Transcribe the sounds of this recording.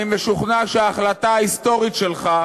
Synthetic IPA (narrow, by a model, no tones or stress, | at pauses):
imveʃuχnaʃeaːχlat̪aaist̪o̞ʁit̪ʃe̞lχa